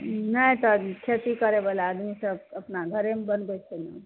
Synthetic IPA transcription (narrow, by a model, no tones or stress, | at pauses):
nəĩt̪ɔkʰet̪ikəɾebalead̪misəbəpnaɡʱəɾemebənbet͡ʃʰeni